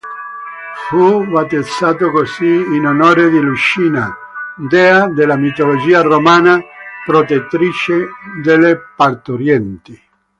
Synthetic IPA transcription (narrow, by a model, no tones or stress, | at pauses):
fuvat̪ed̪sːaːt̪okosiːnonoːɾed̪ilut͡ʃiːna | d̪ɛad̪elamit̪olod͡ʒiːaromaːnapɾot̪et̪ːɾit͡ʃed̪elepart̪oɾjɛnt̪i